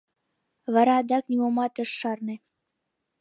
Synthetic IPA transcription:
βɑɾɑːd̪ɑknimomɑt̪ə̆ʃːɑrnĕ

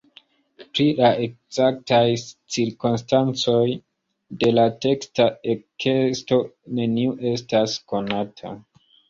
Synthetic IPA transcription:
pɾilae̞k̚z̥ak̚tajt͡siɾkonstant͡so̞j | de̞late̞kstaekʰesto̞ne̞niuʔe̞stasko̞natʰa̰

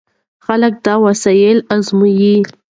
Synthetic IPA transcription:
xalək̚d̪ɑwasɑjɪlazmuji

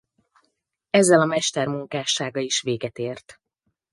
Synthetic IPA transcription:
ɛzːɛlɒmɛʃt̪ɛrmuŋkaːʃaːɡɒiʃʋeːɡɛt̪eːrt̪

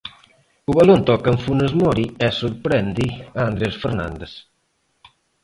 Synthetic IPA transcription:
uβalont̪ɔkəɱfunəzmɔɾiɛsuɾpɾɛnd̪iaːnd̪ɾesfəɾna̰nd̪es

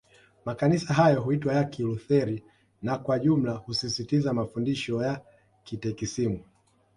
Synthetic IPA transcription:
makanisaɦajɔɦuitwajakiluθɛɾi | nakwaʄum̩lahusisitizamafundiʃɔja | kitɛkisimu

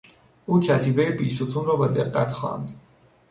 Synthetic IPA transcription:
ukʰat̪ʰibɛbisut̪ʰunɾɔbad̪ɛqʼa̰t̪ʰχa̰nd̪

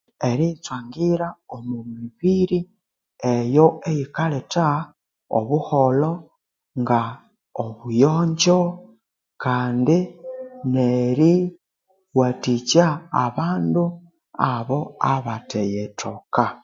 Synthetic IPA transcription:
eɾit͡swaːŋɡiɾaomumiβiɾi | ejo̞ejikaleta | o̰βuholo̞ | ŋɡa | oβujoːɲɟo | kaːndineɾi | watit͡ʃaːβaːndu | aβo̞aβatejetʰoka

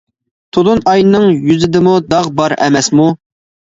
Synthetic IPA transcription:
t̪ʰod̪unɑjnnɨŋjyzɪd̪ɪmud̪ɑʁbɑɾɛ̰mɛsmu

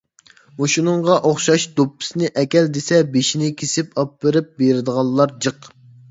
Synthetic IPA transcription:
moʃunɨŋʁɑʔoχʃɑʃd̪̥opːɪ̥snɪʔɛkʲɛld̪esɛbeʃinɪkʲʰesɪpɑpːɨɾɪp̚beɾɪd̪əʁɑlˠːɑɾd͡ʒəq

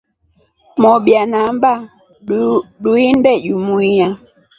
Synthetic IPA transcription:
mɔɓjanamba | ɗuindɛʄumuija

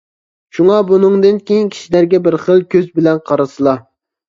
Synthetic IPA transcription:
ʃuŋɑbunɨŋd̪ɨnkʲejinkʲʰi̥ʃilæɾɡʲɛbɪɾχəlˠkʲʰøzbɪlɛnqʰɑɾɨsɨlˠɑ

